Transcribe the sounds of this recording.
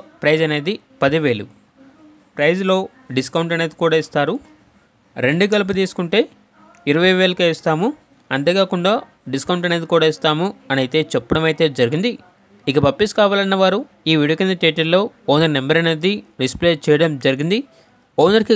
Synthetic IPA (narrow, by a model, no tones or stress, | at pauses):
pɾɐjd͡ʒɐne̞ːd̪i | pɐd̪iʋe̞ːlṵ | pɾɐjd͡ʒlo̞ː | ɖiskɐwɳʈɐne̞ːd̪ikuːɽaːist̪aːɾu | ɾe̞ɳɖuɡɐlɐp̬ɐt̪̬iːsu̥kuɳʈe̞ː | iɾɐʋɐjʋe̞ːlɐkːst̪aːmu | ɐnt̪ɐɡaːkuɳɖaː | ɖiskɐwɳʈɐne̞ːd̪ikuːɽaːist̪aːmuɐnɐjit̪e̞ːt͡ʃɛpːɐɽɐmɐjit̪e̞ːd͡ʒɐɾiɡind̪i | ikɐpɐpːiskaːʋaːlɐnːɐʋaːɾu | iːʋiɽukɐnd̪ɐʈeːʈɐɾlo̞ːɔːnɐɾnembɐɾɐneːd̪iɖispleːt͡ʃɛːjɐɽɐmd͡ʒɐɾiɡind̪i | ɔːnɐɾiki